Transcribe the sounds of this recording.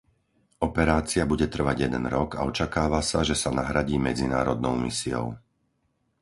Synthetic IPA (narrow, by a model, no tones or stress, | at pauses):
ɔpɛɾaːt͡siabuɟɛt̪r̩ʋaɟjɛd̪ɛ̰nɾɔɡa̰ɔt͡ʃakaːʋasaʒɛsanaɦɾaɟiːmɛd͡zina̰ːɾɔd̪nɔʊmḭsiɔ̰ʊ